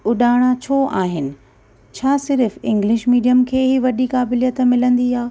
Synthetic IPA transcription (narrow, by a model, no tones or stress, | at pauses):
ʊɗaːɽ̃at͡ɕʰoːʔaːɦɪnɪ̆ | t͡ɕʰaːsɪɾfɪ̃ŋɡlɪʃmiːɗijəmkʰeːɦiʋɐɗikaːbɪlijət̪mɪlə̃nd̪iaː